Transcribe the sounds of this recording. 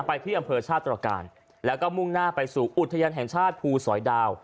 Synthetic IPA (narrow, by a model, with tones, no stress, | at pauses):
pa˧jt̪ʰiː˥˩ʔa˧mpʰɤː˧t͡ɕʰaː˥˩t̪ːɾaː˧ka̰ː˧n | lɛː˦˥wkɔː˥˩mu˥˩ŋnaː˥˩pa˧jsuː˨˩ʔu˨˩t̪ʰːa˧jaː˧nɦɛ˨˩ŋt͡ɕʰaː˥˩t̪̚pʰuː˧sɔː˩˦jdaː˧w